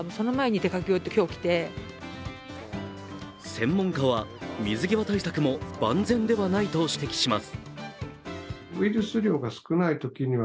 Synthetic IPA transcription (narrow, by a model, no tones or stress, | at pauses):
moso̞no̞mae̞ɲ̟it̪e̞kakʲiot̪ːekʲo̞ːkʲi̥t̪e̞ | sẽ̞mːõ̞ŋkaβamʲizɨɡʲiβat̪aisakɯ̟mo̞bã̰nd͡zẽ̞nd̪e̞βanait̪o̞ɕi̥t̪e̞kʲi̥ɕimasɨ̥ | ɯiɾɯ̟sɨɾʲo̞ːɡasɨ̥kɯnait̪o̞kʲiɲ̟iβ